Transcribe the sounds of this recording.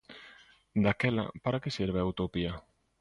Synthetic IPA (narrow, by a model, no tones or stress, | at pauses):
d̪akɛla̰paɾakesiɾβeawt̪opia